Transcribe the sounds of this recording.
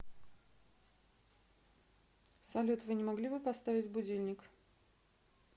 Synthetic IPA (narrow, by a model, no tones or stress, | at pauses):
sɐlʲot̪vɨnʲɪmɐɡlʲibɨpɐst̪avʲɪtʲbʊdʲilʲnʲɪk